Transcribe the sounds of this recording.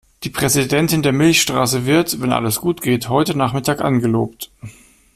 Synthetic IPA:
d̥iːpʁ̥ɛzidɛntɪndeːɐmɪlçʃtʁ̥a̰ːs̬əvɪɐtvɛnʔa̰ləsɡ̥uːtɡ̥eːthɔʏtənaːχmɪtʰaːkʔanɡəloːpt

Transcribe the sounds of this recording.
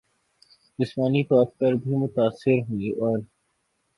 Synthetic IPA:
d͡ʒɪsmaːnit̪ɔːɾpɐɾbʱimʊt̪aːsːɪɾɦuiʔɔːɾ

